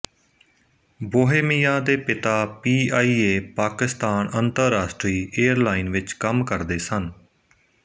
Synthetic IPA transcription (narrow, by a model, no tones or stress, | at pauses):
boːɦeːmiːjaːd̪eːpɪt̪aːpiːaːiːeːpaːkɪst̪aːnənt̪əɾːaːʃʈɾiːeːəɾlaːinʋɪt͡ʃkəmkəɾd̪eːsən